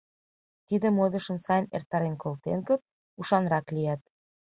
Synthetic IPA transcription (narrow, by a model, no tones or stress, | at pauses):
t̪id̪ə̆mod̪ɤ̆ʃə̆msɑjnḛrt̪ɑɾenkolt̪enkə̆p̚ | uʃɑnɾɑklijæt̪̚